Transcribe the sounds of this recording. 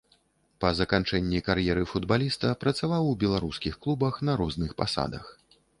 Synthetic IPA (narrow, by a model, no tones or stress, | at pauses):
pɐzɐkant͡ʂɛnʲːikaɾjɛɾɨfud̪balʲist̪ɐpɾɐt̪savawbʲɛlˠaɾuskʲixklˠubɐxnɐɾɔznɨxpa̰sa̰d̪ɐ̰x